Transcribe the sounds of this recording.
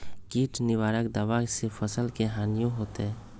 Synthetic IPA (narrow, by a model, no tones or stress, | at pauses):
ɡiʈnɪwaːɾəkd̪awasepʰəsəlkeɦaːnijõɦot̪e